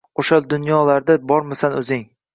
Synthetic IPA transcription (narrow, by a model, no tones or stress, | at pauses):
oʃald̪ʊnjɒlaɾd̪abɒɾmasanɵzɪŋ